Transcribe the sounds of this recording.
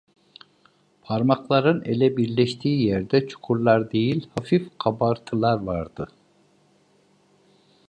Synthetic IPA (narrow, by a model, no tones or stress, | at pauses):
pʰaɾmaklˠaɾɯnelʲɛbiɾlʲɛʃt̪ʰiːijæɾd̪ɛt͡ʃʰu̥kʰuɾlˠaɾd̪e̞jilʲhafifqʰabaɾt̪ʰɯlˠaɾvaɾd̪ɯ